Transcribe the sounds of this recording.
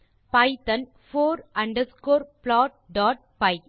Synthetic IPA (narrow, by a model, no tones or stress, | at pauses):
pɐɪtɐ̃n | foːɾɐ̃ɳɖɐɾskoːɾplɔːʈ̚ɖɔːʈ̚pɐɪ